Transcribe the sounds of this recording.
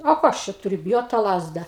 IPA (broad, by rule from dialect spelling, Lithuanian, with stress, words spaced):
oː ˈkoː ɐʃ t͡ʃʲɛ tʊˈrʲʊ bʲɪˈjoːt tɑː ˈlˠɑːzdɐ